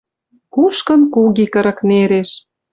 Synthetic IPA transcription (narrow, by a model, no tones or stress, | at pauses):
kuʃkə̆nkuɣikə̆ɾə̆kneɾeʃ